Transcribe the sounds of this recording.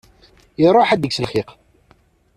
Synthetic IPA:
ɾˤoħæd̪əɡsəlχiq

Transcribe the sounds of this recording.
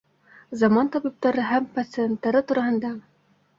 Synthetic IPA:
zɑmɑnt̪ɑbip̚t̪ɑɾɤɦæmpɐt̪sɨent̪ːɑɾɤt̪uɾɑɦɤ̆nd̪ɑ

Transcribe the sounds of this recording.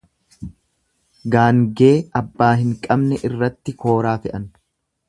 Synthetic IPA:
ɡaːŋɡe̞ːɐbːaːɦɪŋkʼɐbnɛʔɪrːɐt̪ːɪkʰo̞ːɾaːfɛʔɐn

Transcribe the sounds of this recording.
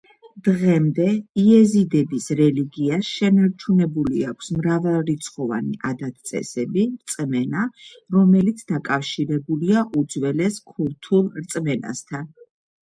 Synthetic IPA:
d̪̥ʁɛmd̪ɛiɛzid̪ɛbisɾɛliɡiasʃɛnaɾt͡ʃʰunɛbuliakʷʰsmɾavɛlˠɾit̪sʰχɔva̰nḭʔad̪at̪̚ʰt̪sʼɛ̰sɛbiɾt̪sʼmɛnaɾɔmɛlit̪sʰd̪akʼafʃiɾɛbuliaʔud̪zwɛlɛskʰuɾt̪ʰulˠɾt̪sʼmɛna̰st̪ʰan

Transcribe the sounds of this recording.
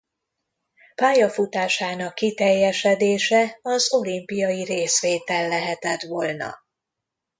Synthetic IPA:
paːjɒfut̪aːʃaːnɒkːit̪ɛjːɛʃɛd̪eːʃɛɒzo̞limpijɒjiɾeːsʋeːt̪ɛlːɛɦɛt̪ɛt̪ʋolnɒ̰

